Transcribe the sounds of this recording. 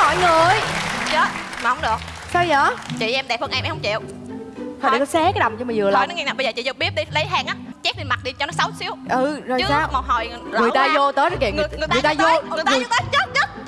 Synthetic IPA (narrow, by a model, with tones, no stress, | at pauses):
hɔ̰˧˨jŋɨ˨˩əjt͡ɕə˨˦˥ma˨˩hə˨˦ŋ͡mɗɨ˨˩ək̚ | sə˧jzəː˧˨˦t͡ɕḭ˧˨ʔɛ˧mɗɛ˨˩p̚ʔə˧nʔɛ˧mʔjhə˧ŋ͡mt͡ɕḭ˧˨əw | hɔ˨˩ɗkɔ˨˦sɛ˨˦˥ka˨˦jɗə˨˩wŋ͡mt͡ɕɔ˧mə˨˩zɨ˨˩əla̰ː˧˨˩n˨˦ŋɛː˧naː˨˩ɓə˧jzəː˨˩t͡ɕḭ˧˨zə˧ɓi˦˥əp̚ɗi˧lə˨˦jɦaː˧ŋʔaː˨˦t͡ɕɛ˦˥k̚ɗi˧ma˨˩t̚ɗi˧t͡ɕɔ˧nɔ˨˦sa˨˦wsi˨˦əwʔɨ˨˩zo˨˩ɨ˦saː˨˦wmɔ˨˩ɦɔ̰˨˩jɨ˨˩t̪aː˧zo˧t̪əː˨˦jzɔ˦˥kɛ˨˩ŋɨ˨˩ŋɨ˨˩ŋa˩˧jt̪aː˧zo˧˨ɨ˨˩t̪ːaː˨˦ɲə˦˥t̚ɲə˦˥t̚